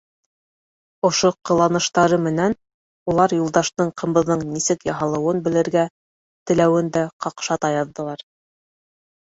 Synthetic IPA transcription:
ŏʃoqɤ̆lˠɑnɤ̆ʃt̪ɑɾɤmɘ̆næn | ulˠɑɾjulˠd̪ɑʃt̪ɤɴqʰɤ̆mbɤ̆ðːɤɴnisɘkjɑɦɑlˠɤ̆wɤnbɘ̆lɘ̆ɾɡæ | t̪ɘ̆læwɘnd̪æqɑqʃɑt̪ɑjɑðːɤ̆lˠɑɾ

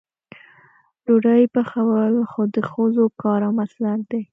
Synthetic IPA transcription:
loɖəjpəxawəlxod̪əxozokɑɾamaslaɾd̪e

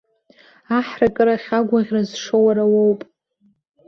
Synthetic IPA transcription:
aħrakʼɨɾaχʲaɡʷaʁʲrazʂowaɾawowpʼ

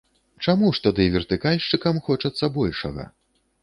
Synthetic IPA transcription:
t͡ʂamuʂt̪ad̪ɨvʲɛrt̪ɨkalʲʂt͡ʂɨkɐmxɔt͡ʂɐt̪sːɐbɔlʲʂɐ̰ɣɐ̰

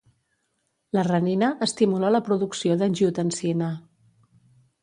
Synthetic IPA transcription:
lərəninəʔːst̪imulaləpɾuðuksioðənʲʒut̪ənsinə

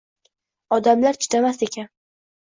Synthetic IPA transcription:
ɒd̪amlaɾt͡ʃʰɪ̥t̪ʰamase̞kʲʰan

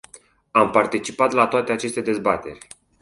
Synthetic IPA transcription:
ampart̪it͡ʃipat̪lat̪oat̪e̞at͡ʃe̞st̪e̞d̪e̞zbat̪e̞rʲ

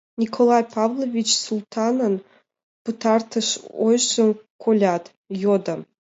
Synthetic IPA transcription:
nʲikʰolˠɑjpʰɑvlˠovʲit͡ʃsulˠt̪ʰɑnən | put̪ʰɑrt̪ʰəʃo̰jʃənkʰolʲat̪ | jod̪ə

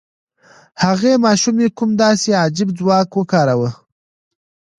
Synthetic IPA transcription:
haɣemɑːʃumekumd̪ɑseɑd͡ʒɪbd͡zwɑːkwəkɑːɾawə

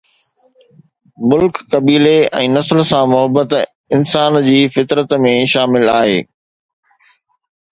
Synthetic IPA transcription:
mʊlkːɐbiːleɛ̰̃ːnɐsəlsãmʊɦəbət̪ | ɪnsaːnd͡ʑiːfɪt̪ɾət̪mẽʃaːmɪlaːɦeː

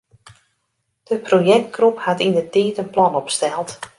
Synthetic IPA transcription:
d̥əprojɛk̚t̚kruphatindətiːtənplɔnɔpstɛlˠt

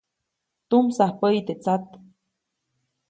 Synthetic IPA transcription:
t̪umsahpəjt̪et͡sat̪

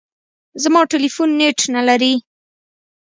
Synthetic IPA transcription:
zmɑʈelifunːeʈnalaɾi

